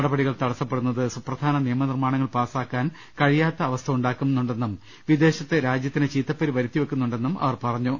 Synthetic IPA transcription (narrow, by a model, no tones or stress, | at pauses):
ɐɽɐbɐɽiɣɐɭt̪ɐɽɐsːɐpːe̞ɽunːɐðɨsuprɐd̪ʱaːnɐnijɐmɐnirmaːɳɐŋːɐɭpaːsaːkːaːn | kɐɻijaːt̪ːɐːʋɐst̪ʰɐuɳɖaːkːumnːuɳɖe̞nːum | ʋid̪e̞ːɕɐt̪ːeɾaːd͡ʑjɐt̪ːinet͡ɕiːt̪ːɐpːɐɾiʋɐɾut̪ːjiʋɐkːunːuɳɖe̞nːumɐ̰ʋɐrpɐrɐɲːu